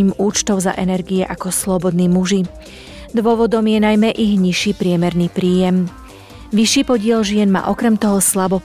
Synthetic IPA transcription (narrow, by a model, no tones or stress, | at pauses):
iːmuːt͡ʃt̪ɔʊza̰ʔɛnɛɾɡiɛʔakɔslɔbɔd̪niːmuʒi | d̪ʋʊɔʋɔd̪ɔmjɛnajmɛʔiɣɲiʃiːpɾɪɛmɛɾniːpɾiːjɛm | ʋiʃiːpɔɟɪɛlʒɪɛnma̰ːʔɔkɾɛmt̪ɔɦɔslabɔ